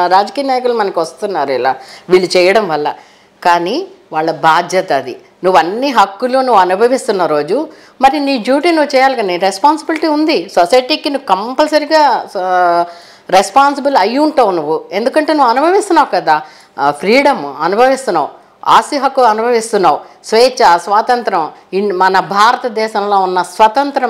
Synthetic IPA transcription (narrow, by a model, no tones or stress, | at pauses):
ɾaːd͡ʒɐkiːjɐnaːjɐkulːmɐnɐkiʋɐst̪unːaːɾuɛla̰ːʋiːɭːut͡ʃɛːjɐɽɐmʋɐlːɐ | kaːniʋaːɭːɐbʱaːd͡ʒ̪ʱjɐt̪ɐd̪i | nuʋːɐnːiɦɐkːulunuʋːuɐnubʱɐʋist̪unːɐɾo̞ːd͡ʒu | mɐɾiniːɖjuːʈiːnuʋːut͡ʃɛːjaːlikɐnenɾespaːnsibilʈiːund̪isosɐjʈiːkinuʋːkɐmpɐlsɐɾiɡaː | ɾespaːnsibilɐjːuɳʈaːʋunuʋːue̞nd̪ukɐɳʈe̞ːnuʋːɐnubʱɐʋist̪unːaːʋukɐd̪aː | pʰɾiːɽɐmɐnubʱɐʋist̪unːa̰ːu | a̰ːsiɦɐkːuɐnubʱɐʋist̪unːaːusʋeːt͡ʃɐsʋaːt̪ɐnt̪ɾɐmimɐnɐbʱaːɾɐt̪ɐd̪ɛːʃɐmlo̞ːunːɐsʋɐt̪ɐnt̪ɾɐm